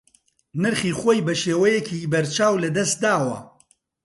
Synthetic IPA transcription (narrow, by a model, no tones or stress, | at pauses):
nɨɾχiːχoːjbɐʃeːwɐjɛcʰibɐɾt͡ʃʰaːwlɐd̪ɐst̪̚d̪aːwɐ̰